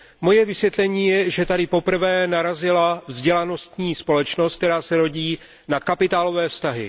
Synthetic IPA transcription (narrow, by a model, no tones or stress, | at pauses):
mo̞jɛvɪsvjɛt̪lɛɲiːjɛʒɛt̪adɪpo̞pr̩vɛːnaɾazɪlavzɟɛlano̞st̪ɲiːspo̞lɛt͡ʃnost̪̚kt̪ɛɾaːsɛɾo̞ɟiː | nakapɪt̪aːlo̞vɛːfst̪aɦɪ